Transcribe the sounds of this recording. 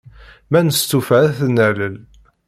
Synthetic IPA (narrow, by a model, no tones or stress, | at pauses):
mænəst̪ufæθnæləl